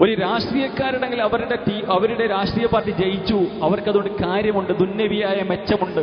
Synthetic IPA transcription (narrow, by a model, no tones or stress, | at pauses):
o̞ɾuɾaːʂʈriːjɐkːaːɾiɽɐŋɡilɐʋɐɾuɽeʈiʔɐʋɐɾuɽe̞ɾaːʂʈriːjɐpaːrʈit͡ɕejit͡ɕːuɐʋɐrkɐðuoɽɖɨkaːɾjɐmuɳɖɨd̪unːɐʋijaːjɐme̞t͡ɕːɐmuɳɖɨ